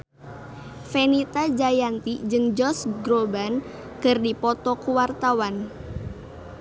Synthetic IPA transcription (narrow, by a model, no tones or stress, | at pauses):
fenit̪ad͡ʒajant̪id͡ʒɨŋd͡ʒɔsɡɾoban | kɨrdipɔt̪ɔkuwart̪awan